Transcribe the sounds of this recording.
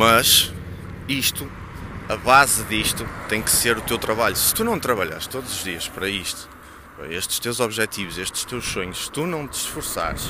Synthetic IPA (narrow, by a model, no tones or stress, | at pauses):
mɐʃ | iʃt̪u | ɐβazɨðiʃt̪ut̪ɐ̃j̃kɨ̥seɾut̪ewt̪ɾɐβaʎusɨ̥t̪unɐ̃w̃t̪ɾɐβɐʎa̰ɾʃt̪oðuzuʒðiɐʃpɐɾɐiʃt̪u̥ | pɾɐ̰eʃt̪ɨ̥ʃt̪ewzɔβʒɛt̪ivuzeʃt̪ɨ̥ʃt̪ewʃsoɲuʃsɨ̥t̪unɐ̃w̃t̪ɨ̥ʃfuɾsa̰ɾʃ